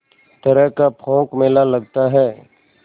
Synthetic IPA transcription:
t̪əɾəɦkapʰõːkmeːlaləɡ̚t̪aɦɛː

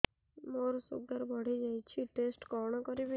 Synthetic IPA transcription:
moɾsuɡaɾbɔɽ̤id͡ʒajt͡ʃʰiʈesʈkɔɽ̃ɔkɔɾibi

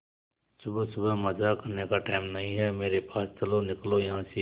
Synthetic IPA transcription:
sʊbsʊbəɦmɐzakɐɾnekaʈaːɪmnɐɦĩɦɛmeːɾepaːst͡ʃɐlonɪklojɐɦãse

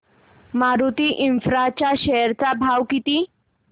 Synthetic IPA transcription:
maɾut̪iʔinfɾat͡ɕaɕɛjəɾt͡sabʱawkit̪iː

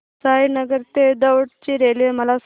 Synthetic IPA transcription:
sainəɡəɾt̪ed̪əʋɽt͡ɕiɾelʋeməlas

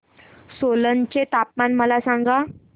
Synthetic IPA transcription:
solənt͡ɕet̪ap̚manməlasãŋɡa

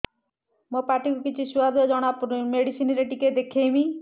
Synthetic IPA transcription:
mopaʈikukit͡ʃʰisuad̪ɔd͡ʒɔɽ̃apɾmeɽisinɾeʈiked̪ekʰejmi

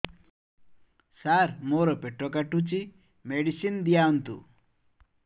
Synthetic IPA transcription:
saɾmoɾɔpeʈɾɔkaʈut͡ʃi | meɽisind̪ijaunt̪ṵ

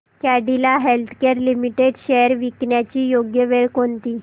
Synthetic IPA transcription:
kaɖilaɦelt̪ʰkeɾlimiʈeɖɕɛjəɾʋikɳjat͡ɕiːjoɡjəʋeɭkont̪iː

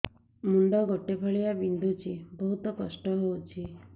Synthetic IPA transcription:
muɳɖɔɡʱoʈepʰəɭijabind̪ʱut͡ɕibəɦut̪ɔpəsʈɔɦowt͡ɕʰi

